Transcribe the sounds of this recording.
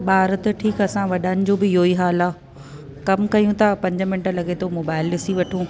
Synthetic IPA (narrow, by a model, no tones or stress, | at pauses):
ɓaːɾət̪ʈʰiːkɐsãʋɐɗaːɪnɪ̆d͡ʑoːbɪɦoːiɦaːlaː | kɐmkɐjũt̪ʰɐpɐ̃ɲd͡ʑə̆mɪnʈəlɐɠet̪ʰomoːbaːɪlːɪsiʋɐʈʰũː